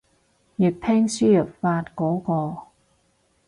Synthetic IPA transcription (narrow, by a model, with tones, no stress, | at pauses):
jyː˨˩t̚p̪ʰɛː˥ŋsyː˥jə˨˩pfaː˧t̚kɔː˨˥kɔː˧